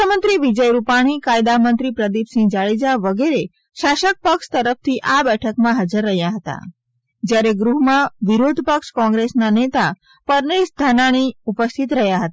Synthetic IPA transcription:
əmənt̪ɾiʋid͡ʒəjɾupaɽ̃ikajd̪amənt̪ɾipɾəd̪ipsĩd͡ʒaɭed͡ʒaʋəɡeɾe | ʃaʃək̚pəkʃt̪əɾəf̚ʰt̪ʰiʔabɛʈʰəkmãɦad͡ʒəɾːəɦjaɦət̪a̰ | d͡ʒjaɾeɡɾuɦmãʋiɾod̪ʱpəkʃkɔ̃ŋɡɾesnanet̪a | pəɾneʃd̪ʱanaɽ̃iupəst̪ʰit̪ɾəɦjaɦət̪a

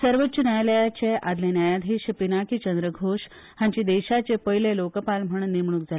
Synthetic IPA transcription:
səɾʋətːɕənjajləjat͡ɕead̪lẽnjajad̪ʱiːɕəpinakit͡ɕənd̪ɾəɡʱoɕ | hãɲt͡ɕid̪eɕat͡ɕepəɦilẽlokəpalm̤əɳ̃nimɳ̃uːk̚d͡zale

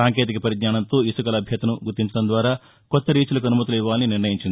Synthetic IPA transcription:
aːŋke̞ːt̪̬ikɐpɐɾiɡ̪ɲaːɳɐnt̪o̞ːisukɐlɐbʱjɐt̪ɐnuɡuɾt̪ːiɲt͡ʃɐɽɐnd̪ʋaːɾaː | kɔt̪ːɐɾiːt͡ʃɐlɐk̬ɐnumɐt̪ulɐiʋːaːlɐniniɾɳɐjiɲt͡ʃind̪i

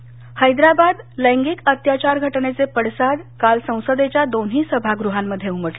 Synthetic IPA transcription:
həjd̪ɾabad̪ləŋɡikət̪jat͡ɕaɾɡʱəʈnet͡sepəɽsad̪kalsə̃w̃səd̪et͡ɕjad̪onɦiːsəbʱaɡɾuɦamːəd̪ʱːjeuməʈle

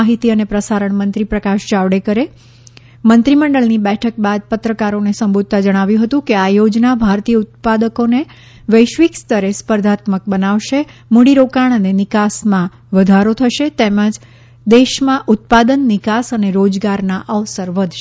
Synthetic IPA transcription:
aɦit̪iənepɾəsaɾəɳmənt̪ɾipɾəkaʃd͡ʒaʋɽekəɾe | mənt̪ɾiməɳɖəɭnibɛʈʰək̚bad̪̚pət̪ɾəkaɾonesəmbud̪̚t̪ad͡ʒəɽ̃aʋjũɦət̪ũkeajod͡ʒnabʱaɾt̪ijəut̪̚pad̪əkone | ʋəjʃʋikst̪əɾespəɾd̪ʱat̪mək̚bənaʋʃemuɽiɾokaɳ̃ənenɪkasmã | ʋəd̪ʱaɾot̪ʰəʃet̪ɛmə̃d͡ʒ | d̪eʃmãʔut̪̚pad̪ənːɪkasəneɾod͡ʒɡaɾnaʔəʋsəɾʋəd̪ʱʃ

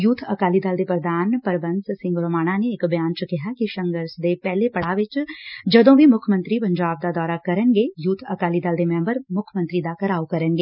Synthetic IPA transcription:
jut̪ʰɐkaːlid̪ɐːld̪epɾəd̪ʱaːnpəɾbə̃nssɪ̃ŋɡɾoːmaːɽ̃aneːkbjaːnt͡ʃəkɪɦakiʃɐ̃ŋɡəɾsd̪epɛːlepɐɽ̤aːʋɪt͡ʃd͡ʒɐd̪õbʱimʊkʰmə̃nt̪ɾipɐ̃ɲd͡ʒaːb̚d̪ad̪ɔːɾakɐɾənɡejut̪ʰɐkaːlid̪aːld̪emɛ̃ːmbəɾmʊkʰəmə̃nt̪ɾid̪akɐɾaːokɐɾə̃nɡeː

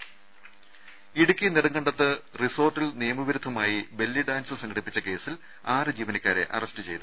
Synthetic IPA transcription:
iɽukʲːineɽɐŋɡɐɳɖɐt̪ːɨriso̞ːrʈːilnijɐmuʋiɾud̪ʰʱːɐmaːjibe̞lːiɖaːnsɨsɐŋɡʰɐɽipːit͡ɕːɐke̞ːsil | aːrɨd͡ʑiːʋɐnɐkʲːaːɾe̞̰ʔɐ̰rɐstɨt͡ɕe̞jt̪u

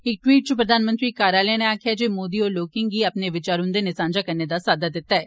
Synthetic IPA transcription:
ɪk̚ʈwiːʈ̚t͡ʃupɾəd̪aːnmə̃nt̪ɾiːkaːɾaːlɛneaːkʰjad͡ʒeːmoːd̪iːɔːɾloːkɪ̃ŋɡɡiːəpneʋɪt͡ʃaːɾʊ̃nd̪eːnɪsãːnd͡ʒakəɾned̪aːsaːd̪ad̪ɪt̪ːaɦɛː

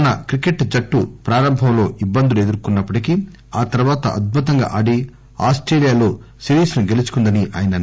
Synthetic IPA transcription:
nɐkɾike̞ʈd͡ʒɐʈːupɾaːɾɐmbʱɐmlo̞ːʔibːɐnd̪ulue̞d̪uɾkunːɐpːɐʈiki | aːt̪ɐɾuʋaːt̪ɐ̰ʔɐd̪̚bʱut̪ɐŋɡa̰ːʔaːɖi | a̰ːsʈɾeːlijaːlo̞ːsiɾiːsnuɡelit͡ʃu̥kund̪ɐniʔa̰ːjɐnɐ

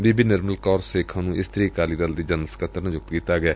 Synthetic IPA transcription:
biːbiːnəɾməlkɔːɾseːkʰãːnũːɪst̪ɾiːkaːliːd̪əld̪iːd͡ʒənsə̥kət̪əɾnəd͡ʒʊk̚t̪kiːt̪aːɡɪaː

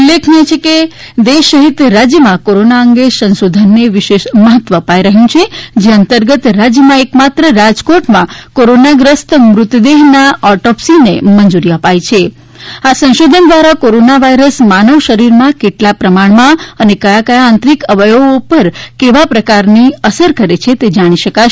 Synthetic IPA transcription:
ulːekʰnet͡ʃʰeke | d̪eʃːəɦit̪ɾad͡ʒjəmãkoɾonaəŋɡesə̃nʃod̪ʱənːeʋiʃeʃməɦət̪ʋəːpajɾəɦjũt͡ʃʰed͡ʒeənt̪əɾɡət̪ɾad͡ʒjəmãekmat̪ɾəɾad͡ʒkoʈmãkoɾonaɡɾəst̪əmɾʊt̪d̪eɦnaɔʈɔpsinemənd͡ʒuɾiəpajt͡ʃʰe | asə̃ñʃod̪ʱənd̪ʋaɾakoɾonaʋaiɾəsmanəʋʃəɾiɾmãkeʈlapɾəmaɳ̃mãənekəjakəjaːnt̪ɾikəʋəjoɡpəɾkeʋapɾəkaɾniəsəɾkəɾet͡ʃʰet̪ed͡ʒaɽ̃iʃəka

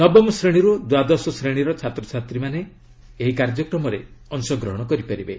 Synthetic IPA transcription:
nɔbɔmsɾeɽ̃iɾud̪wad̪ɔsɔsɾeɽ̃iɾɔt͡ʃʰat̪ɾɔt͡ʃʰat̪ɾimaneː | ɦikaɾd͡ʒɔkɾɔmɔɾḛɔnsɔɡɾɔ̰ɦɔɽ̃ɔkɔɾipaɾibe

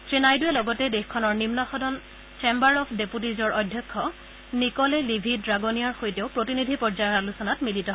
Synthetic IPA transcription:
tɹenajduɛlɔɡɔtɛdexkʰɔnɔɹnimnɔxɔdʱɔn | t͡ʃembaɹɔpʰdeput̬izɔɹɔdʱjɔkʰːɔ | nikɔlɛlibʱidɹaɡonijaɹxojteʊpɹotinidʱipɔɹd͡ʒajɔalusɔnatmilitɔ

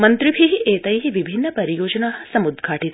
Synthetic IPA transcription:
mɐnt̪ɾibʱiɦiʔeːt̪ɐjɦiʋibʱinːɐpɐɾijoːd͡ʒɐnaːɦɐ̆sɐmud̪ɡʱaːʈit̪

